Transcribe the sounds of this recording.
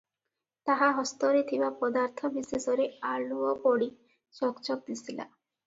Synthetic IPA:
t̪aɦaɦɔst̪ɔɾet̪ʰibapɔd̪aɾt̪ʰɔbisesɔɾeaɭuɔpɔɽi | d͡ʒɔkt͡ʃɔk̚d̪isila̰

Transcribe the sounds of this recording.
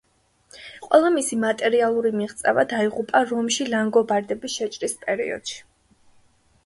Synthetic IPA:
qʼwɛlˠamisimat̪ʼɛɾialˠuɾimiʁt̪sʼɛvad̪aiʁupʼaɾɔmʃilaŋɡɔbaɾd̪ɛbisʃɛt͡ʃʼɾispʼɛɾḭɔ̰d̪̥ʃi̥

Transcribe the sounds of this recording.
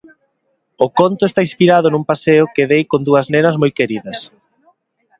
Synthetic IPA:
ʊkont̪ʊest̪aĩnspiɾaðʊnumpaseʊkeðejkond̪uɐznenɐzmojkeɾiðɐs

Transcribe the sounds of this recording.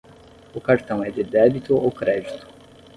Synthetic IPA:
ʊkaɾt̪ɐ̃w̃ɛd̪ɪd̪ɛbit̪ʊowkɾɛd͡ʒit̪ʊ̥

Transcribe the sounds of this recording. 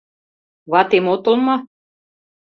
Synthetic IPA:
βɑt̪emot̪ŏlmɑ

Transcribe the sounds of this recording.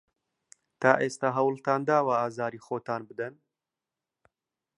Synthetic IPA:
t̪aːʔeːst̪aɦɐwlt̪aːnd̪aːwaaːzɑːɾiːxoːt̪aːnbɨd̪ɐn

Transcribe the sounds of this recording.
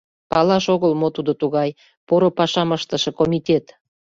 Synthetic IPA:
pɑlɑʃoɣəlmot̪ud̪ot̪uɣɑj | poɾopɑʃɑməʃt̪əʃĕkomʲit̪ʲet̪

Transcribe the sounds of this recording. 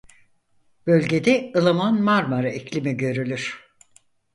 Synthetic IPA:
b̥ø̞lʲɟe̞d̪ɛɯlˠamanmaɾmaɾaicʰlʲimiɟø̞ɾylʲyɾ̥

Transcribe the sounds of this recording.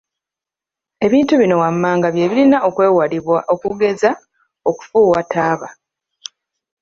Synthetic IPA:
e̞βiːntuβino̞wamːaːŋɡaβje̞ːβilinaʔo̞kweːwaliβwaokuɡe̞za | oku̥fuːwatʰaːβa

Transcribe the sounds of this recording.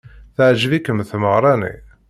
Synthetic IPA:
θəʕʒvikːəmθməʁɾˤɑnḭ

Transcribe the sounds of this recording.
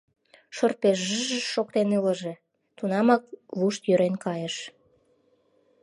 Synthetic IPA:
ʃorpeʒʒəʒəʃok̚t̪eneləʒe̽ | t̪unɑmɑk̚βuʃt̪jøɾenkɑjəʃ

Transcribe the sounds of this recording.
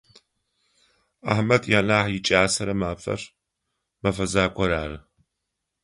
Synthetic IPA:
a̰ħmɐtʰjaːnaːħjɪt͡ʃʼaːsɐɾɐmaːfɐ̰r | mɐfɐzaːkʷʰʼɔɾaːrɨ

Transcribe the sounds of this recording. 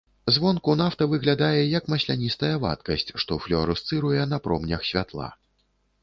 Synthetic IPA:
zvɔnkunawt̪ɐvɨɣlʲad̪ajɛjɐkmɐsʲlʲanʲist̪ɐjɐva̰t̪kɐsʲt͡sʲʂt̪ɔflʲɔɾust̪sɨɾujɛnɐpɾɔ̰mnʲɐxsʲvʲat̪lˠa̰

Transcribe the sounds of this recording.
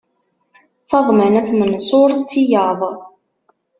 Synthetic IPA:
θɑðˤmənæθmənsˤoɾˤt͡sːijəðˤ

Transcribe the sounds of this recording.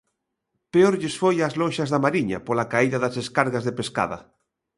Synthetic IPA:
peoɾʎesfojazlõnʃazðamaɾiɲa̰polakaiðaðazeskaɾɣazðepeska̰ðɐ̰

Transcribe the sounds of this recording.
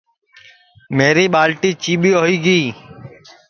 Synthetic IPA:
meːɾiːɓaːlʈiːt͡ʃiːɓiːoːiːɡiː

